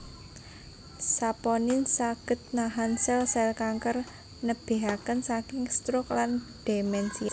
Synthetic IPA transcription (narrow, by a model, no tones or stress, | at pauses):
sapɔnɪnsaɡ̥ə̤t̪̚naɦansɛlsɛlkaŋkər | nəb̥e̤ɦakənsakɪŋst̪ɾʊk̚lanɖ̥emɛnsi